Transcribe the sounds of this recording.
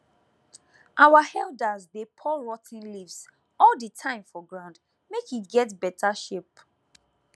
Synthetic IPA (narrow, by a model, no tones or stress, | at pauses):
ʔawahɛldazdepʰɔɹɔtʰɪ̃nlivs | ɔldətʰãɪ̃mfɔɡɹãʊ̃nd | mekitɡɛtbɛtʰaʃep̚